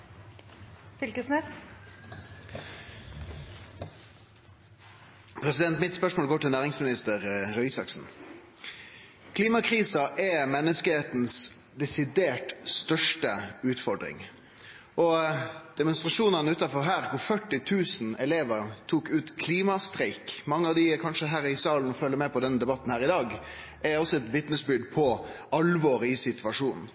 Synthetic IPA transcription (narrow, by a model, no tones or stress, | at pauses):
fɪlkəsnɛs | pʰɾɛsɪd̪ɛnt̪mɪt̪spœʂmoːlɡoːʈɪlnæːʁɪŋsmɪnɪst̪əʁɾœʏsɑksn̩ | kʰliːmɑkʰʁiːsɑʔɛmɛnːəskəheːt̪n̩s | d̪ɛsɪd̪eːʈst̪œʂʈəʉːt̪fɔɖɾɪ̰ŋ | ʔɔd̪̥ɛmʊnst̪ɾɑʂuːnɑnəʉːt̪ɑfɔɾɦæːɾkʊfœʈːɪt̪ʰʉːsn̩ɛleːʋəɾt̪ʰuːkʉːt̪kʰliːmɑst̪ɾɛɪkmɑŋːəɑʋd̪ɪkʰɑnʂəɦæːɾɪsɑːln̩ɔfœlːəmɛpɔd̪ɛnːəd̪ɛbɑt̪n̩hæːʁɪd̪ɑːɡ | ʔɛɔsɔɛt̪ʋɪt̪nəsbʏd̪pʰɔ | ɑlʋɔːɾɪsɪt̪ʰʉʋɑʂuːnn̩